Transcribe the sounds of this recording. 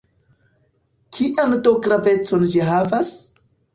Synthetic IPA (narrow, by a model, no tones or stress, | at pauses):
kʰiʔandoɡɾave̞t͡so̞nd͡ʒiɦavas